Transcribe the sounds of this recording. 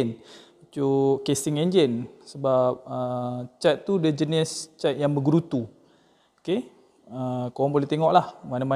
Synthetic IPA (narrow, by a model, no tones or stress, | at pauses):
n | t͡ʃukesɪŋeɲd͡ʒənsəbap̚ət͡ʃat̪̚t̪ːudəd͡ʒənɪst͡ʃat̪̚jaŋbəɡɾut̪u | oke | əkowaŋpolet̪eŋɔʔlahmanama